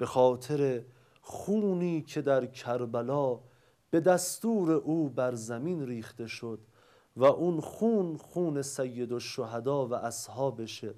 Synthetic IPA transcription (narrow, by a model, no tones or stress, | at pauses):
b̥e̞xɒːt̪ʰe̞ɾe̞ | χuːniːcʰe̞d̪æɾkʰæɾbælɒː | b̥e̞d̪æst̪uːɾe̞ʔuːbæɾzæmiːnɾiːχt̪e̞ʃod̪ | væʔunxuːnχuːne̞sæjːe̞d̪oʃːoɦæd̪ɒːvæʔæshɒːbe̞ʃe